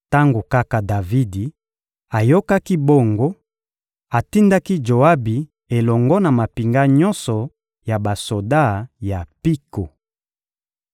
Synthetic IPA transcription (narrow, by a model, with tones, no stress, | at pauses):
ta˦ŋɡo˨ka˦ka˨da˨vi˦di˨ | a˨jo˦ka˦ki˦bo˦ŋɡo˦ | a˨ti˦nda˦ki˦d͡ʒo˨a˦bi˨ | e˨lɔ˨ŋɡɔ˦na˨ma˨pi˨ŋɡa˦ɲɔ˦nsɔ˨ | ja˨ba˨so˨da˦˨ja˨pi˦ko˨